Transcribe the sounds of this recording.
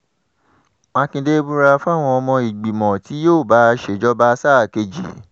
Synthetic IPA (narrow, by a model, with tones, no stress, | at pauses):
mã˧kĩ˧de˦bu˦ɾa˧fa˦˨w̃ɔ̃˧ɔ˧mɔ̃˧i˨ɡ͡bi˨mɔ̃˨ti˨˦joː˦˨ba˨˦ʃe˦˨d͡ʒɔ˦ba˦saː˦˨ke˧d͡ʒḭ˨˦